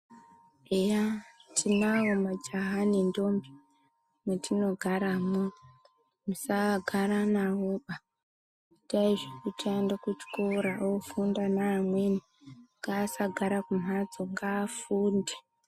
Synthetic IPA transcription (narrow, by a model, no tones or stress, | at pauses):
ejatʰinawomad͡ʒaɦanindombi | mwetʰino̞ɡʱaɾamo | musaɡʱaɾanawoɓa | taiʐekutiendakut͡ʃkoɾaofundanaːmweni | ŋɡaːsaɡʱaɾakum̤ad͡zoŋɡaːfuːnde